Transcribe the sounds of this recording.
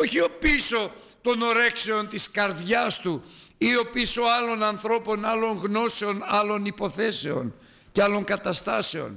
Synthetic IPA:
o̞çio̞piso̞ | t̪o̞no̞ɾe̞kseo̞nt̪iskɐɾðʝɐst̪uio̞piso̞ɐlo̞nɐnθɾo̞po̞nɐlo̞ŋɣno̞se̞o̞nɐlo̞nipo̞θe̞se̞o̞̰n | ceɐlo̞ŋkɐt̪ɐst̪ɐse̞o̞̰n

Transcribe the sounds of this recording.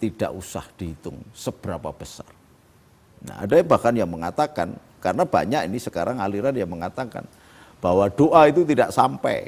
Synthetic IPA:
t̪id̥a̰ʔusa̰hd̥i̤ɦit̪ʊŋsəb̥əɾapab̥əsar | na̰a̰dabakanjaŋməŋat̪akan | kaɾənab̥a̰ɲakinisəkaɾaŋaliɾanjaŋməŋat̪aka̰n | b̥awad̥oʔait̪ut̪idaʔsampɛ̰

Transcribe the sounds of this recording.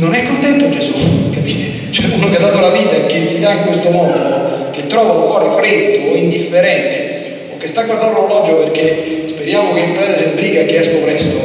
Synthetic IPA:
nonɛkːont̪ɛnt̪od͡ʒesukapiːt̪e | t͡ʃɛunokead̪ːaːt̪olaviːt̪aek̟ːesːid̪aiŋkwest̪omɔnd̪ok̟et̪ːɾɔːvauŋkwɔːɾefɾed̪ːoind̪ifːeɾɛnt̪e | okːest̪akːoɾd̪and̪ololɔd͡ʒoperk̟ːespeɾjaːmokeimp̪ɾɛzasizbɾiːɡakːeɛsk̪opɾɛst̪o

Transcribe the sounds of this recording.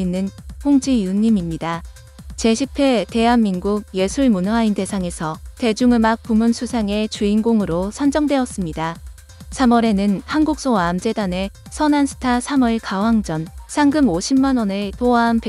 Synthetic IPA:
inːɯnɸoŋd͡ʑijunːimimɲida | t͡ɕe̞ɕʰipʰe̞te̞ɦanmːinɡuk̚je̞sʰuɭmunainde̞sʰaŋe̞sʰʌte̞d͡ʑuŋɯɭmak̚p͈umunsʰusʰaŋe̞t͡ɕuinɡoŋɯɾosʰand͡ʑʌŋdwe̞ʌs͈ɯmɲida | sʰamʌɾe̞nɯnhanɡuk̚s͈oaːmd͡ʑe̞dane̞ | sʰʌnansʰɯ̥tʰasʰamɯɭkawaŋd͡ʑʌnsʰaŋɡɯmoɕʰimːanwʌnɯtoaɦanpe

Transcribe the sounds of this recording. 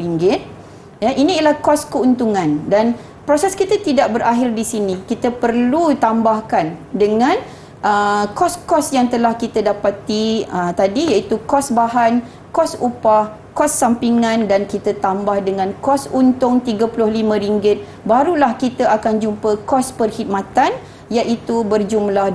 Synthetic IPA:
ɾiŋɡɪt̪̚ | jaʔinĩlahkɔskəunt̪uŋãndan | pɾosɛskit̪at̪idaʔ̚bəɾʔaɦɪrdisinĩkit̪əpərlut̪ambahkandəŋãn | ʔəkɔskɔsjaŋt̪əlahkit̪adapat̪iət̪adijait̪ukɔsbaɦan | kɔsupah | kɔsːampiŋãndankit̪ət̪ambahdəŋãnkɔsunt̪ʊŋt̪iɡapulʊhlimə̃ɾiŋɡɪt̪̚ | baɾulahkit̪aakand͡ʒumpəkɔspərhit̪̚mãt̪an | jaʔit̪ubərd͡ʒumlah

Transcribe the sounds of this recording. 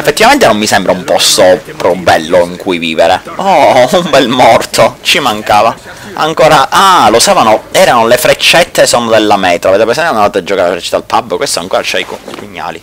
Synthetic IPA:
efːet̪ːivament̪enomːisɛmbɾaumpɔst̪opɾɔubːɛlːoiŋkʰujvḭːveɾeɔumbɛlmɔrt̪ʰot͡ʃimaŋkaːva | a̰ŋkoːɾaʔalosaːvanoɛːɾanolefɾet͡ʃːɛt̪ʰːesonod̪elːamɛːt̪ɾaveːt̪epɾesɛnt̪ananaːt̪oad͡ʒːokaɾelefɾɛt͡ʃːɛ̥t̪ːalpabːkwest̪oa̰ŋkɔːɾat͡ʃɛikipuɲːa̰ːli

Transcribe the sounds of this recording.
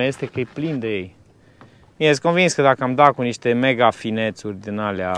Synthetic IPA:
jest̪e̞kəjeplind̪e̞jej | miesko̞nvinskəd̪akəamd̪akuniʃt̪e̞me̞ɡafine̞t̪surʲd̪inalea

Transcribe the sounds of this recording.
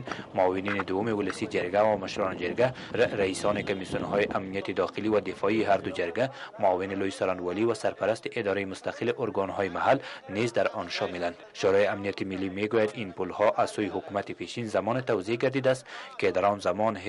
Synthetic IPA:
nmʊːwɪnined̪ʊwʊmewʊlɪsid͡ʒɪɾɡawamaʃɾɔned͡ʒɪɾɡa | ɾaisɔnekomisunɦɔjiʔamnijat̪id̪ɒxɪliwad̪ɪfɔiːɦaɾd̪ʊd͡ʒaɾɡamɔːwɪnilojsaɾanwɔliwasaɾpaɾast̪iʔɪd̪ɒɾajimʊst̪aqɪlɪʔʊɾɡɔnɦɔjmaɦalnizd̪aɾɔnʃɔmɪland̪ʃoɾɔjiamnijat̪imilːimeɡojad̪inpulhɔʔaz̥sojiɦʊkumat̪ipeʃinzamɔnet̪awzeɡaɾd̪id̪ast̪ked̪aɾɔnzamɔn

